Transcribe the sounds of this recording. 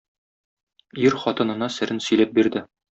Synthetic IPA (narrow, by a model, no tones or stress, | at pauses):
iɾχɒt̪ɤ̆nɤ̆nɑsɘ̆ɾɘnsɵ̆jlæp̚biɾd̪ɘ